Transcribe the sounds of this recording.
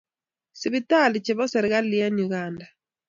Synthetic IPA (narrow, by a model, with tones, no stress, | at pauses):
si˨βita˦˨li˨t͡ʃiβɔ˦sɛ˨ɾiɣa˦lija˦ɲuɣaːnda˨